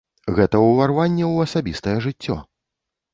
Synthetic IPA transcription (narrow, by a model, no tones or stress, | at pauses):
ɣɛt̪ɐwvarvanʲːɛwɐsabʲist̪ɐjɛʐɨt͡sʲːɔ̰